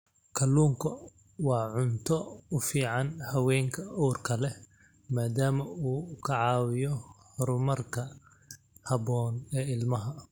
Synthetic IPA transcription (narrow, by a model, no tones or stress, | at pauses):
kʰɐluːŋkʰɐ | wɑːʕʊnt̪ʰɔʊfiːʕɑnhɐwɛːŋkʰɐuːrkʰɐlɛ | maːd̪aːmɐuːkʰɐʕɑːwɪjɔhɾʊmɐrkʰɐ | hɐbɔːnɛːɪlmɐɦɐ